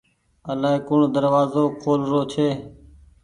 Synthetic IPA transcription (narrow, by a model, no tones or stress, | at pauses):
əlaːeːkʊɳːd̪əɾʋaːzoːkʰoːlɾoːt͡ʃʰeː